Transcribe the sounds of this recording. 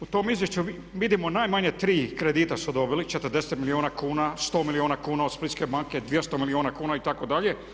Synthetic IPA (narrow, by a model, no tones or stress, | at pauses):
ut̪o̞mizʋje̞ʃt͡ɕu | ʋid̪imonajmaɲet̪ɾiːkɾed̪it̪asud̪o̞bilit͡ʃe̞t̪əɾd̪eset̪milionakuːnast̪o̞ːmilioːnakuːnaod̪split͡ʃke̞baŋke̞d̪ʋjest̪omilioːnakuːnait̪ako̞d̪aʎe̞